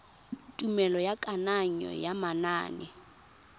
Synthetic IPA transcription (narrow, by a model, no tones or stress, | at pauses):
tʼumɛlɔjakʼanaɲɔ̰jamana̰ːnɪ̰